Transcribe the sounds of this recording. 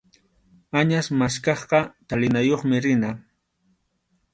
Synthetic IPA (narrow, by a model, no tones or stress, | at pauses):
aɲasmaskɑχqɑt̪alɪnajoχmɪɾɪna